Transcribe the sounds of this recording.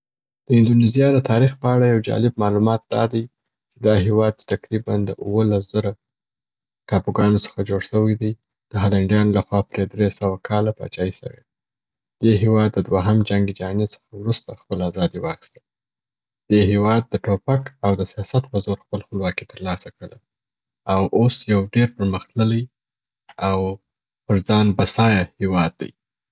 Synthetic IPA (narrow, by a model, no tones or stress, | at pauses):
d̪̥əɪnd̪onizijɑd̪ət̪ʰɑɾixpəaɽajawd͡ʒɑ̰lɪb̚mɑlumɑt̪̚d̪̥ɑ̰d̪aj | t͡ʃed̪ɑɦewɑd̪̚t͡ʃe̥t̪akɾiband̪ə̰ʔuwəlasz̥əɾa | ʈɑpuɡɑnosə̥xad͡ʒoɽʃəwajd̪aj | d̪̥əɦalaɳɖjɑnlaxwɑpɾed̪ɾesəwakʰɑlapɑ̰t͡ʃɑisə̰wḛd̪ | d̪̥eɦewɑd̪ːəd̪waɦamd͡ʒaŋɡed͡ʒɑnesə̥xawɾust̪axpəlazɑd̪iwɑxi̥st̪əl | d̪̥eɦewɑd̪̚ːəʈopakawd̪əsijɑsat̪pəzoɾxpəlxpəlwɑkit̪əɾlɑsakɽəla | awʔosjawɖeɾpəɾməxt̪lələj | aw | pəɾd͡zɑnbasɑjahewɑd̪̚ːa̰j